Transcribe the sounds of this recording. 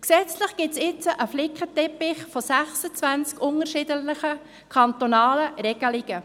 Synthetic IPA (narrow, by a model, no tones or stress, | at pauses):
ksɛt͡slɪχɡ̥ɪtsɪt͡səʔəflɪkʰətɛpɪχfosæχsət͡sʋænt͡skʊnəɾʃɪːdəəχə | kʰɑnt̪onɑːləɾɛɡ̥əlɪɡ̥ə